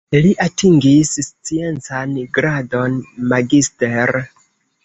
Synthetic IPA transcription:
liʔatʰiŋɡisst͡sie̞nt͡sanɡɾado̞nmaɡisteɾ

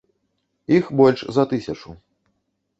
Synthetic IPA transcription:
ixbɔlʲʂzɐt̪ɨsʲɐt͡ʂu

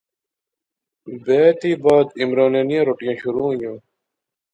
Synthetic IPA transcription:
beːt̪iːbaːd̪imɾɑːneːnijɐ̃ɾoʈjãːɕuɾũːjõː

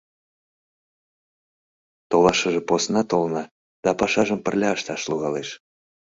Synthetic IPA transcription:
t̪olɑʃəʒeposnɑt̪olnɑ | d̪̥ɑpɑʃɑʒəmpərlʲɑəʃt̪ɑʃluɣɑleʃ

